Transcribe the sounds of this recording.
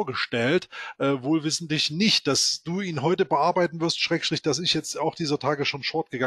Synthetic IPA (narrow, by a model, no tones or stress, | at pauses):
ɐɡəʃtɛltʔɛːvoːlvɪsn̩tlɪçnɪçt̚d̥asd̥uːʔiːnɦɔʏtəbəʔaɐbaɪtn̩vɪɐstʃʁ̥ɛːkʃtʁ̥ɪçd̥as̬ɪçjɛt͡staʊxd̥iːzɐtʰaːɡəʃoːnfɔɐt̚ɡ̥əɡa